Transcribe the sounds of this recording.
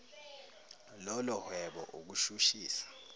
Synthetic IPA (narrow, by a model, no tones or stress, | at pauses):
lɔlɔhwɛɓɔ̰ʔuk̬uʃuʃiːsḁ